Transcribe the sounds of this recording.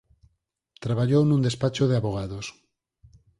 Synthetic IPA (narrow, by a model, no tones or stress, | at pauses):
t̪ɾaβ̞aʎownũnd̪espat͡ʃoðeaβoɣ̞aðos